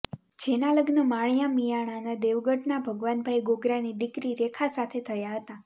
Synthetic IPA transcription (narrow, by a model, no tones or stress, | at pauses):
d͡ʒenaləɡnəmaɳ̃jamijaɽ̃anəd̪eʋɡəʈnabʱəɡʋanbʱajɡoɡɾanid̪ikɾiɾekʰasat̪ʰet̪ʰəjaɦət̪a